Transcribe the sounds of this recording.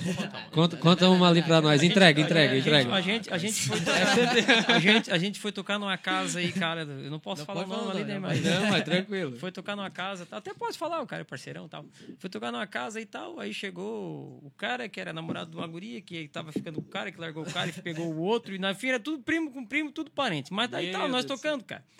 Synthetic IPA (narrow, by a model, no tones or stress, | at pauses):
kõt̪ɐkõt̪ɐ̃ũmalĩpɾɐnɔjzẽt̪ɾɛɡɐẽt̪ɾɛɡɐẽt̪ɾɛɡɐaʒẽt͡ʃ̪ɪaʒẽt͡ʃ̪ɪ̥fojt̪okaeʒẽt͡ʃɪaʒẽnt͡ʃ̪ɪ̥fojt̪okaɾnũmɐkazɐikaɾɐɛlʊḛwnɐ̃w̃pɔsʊ̥̃falaɾnɐ̃w̪̃alĩnẽj̃majnɐ̃w̃mast̪ɾɐ̃kwilʊfojt̪okanũmɐkazɐt̪awat̪ɛpɔsʊ̥falaɾʊka̰ɾɛpaɾseɾɐ̰̃w̃t̪a̰wfojt̪okanũɐkazɐait̪awa̰iʃeɡoʊkaɾɐkɪɛɾɐnamoɾa̰d̪ʊd̪ũmaɡuɾiɐkɪt̪avɐfikɐ̃nd̪ʊkõkaɾɐkɪlaɾɡowʊkaɾɪpeɡowʊot̪ɾʊɪnɐfĩɛɾɐt̪ud̪ʊpɾĩmʊkõpɾĩmʊt̪ud̪ʊpaɾẽt͡ʃ̪ɪmɐzd̪aiawnɔst̪okɐ̃nd̪ʊka̰ɾɐ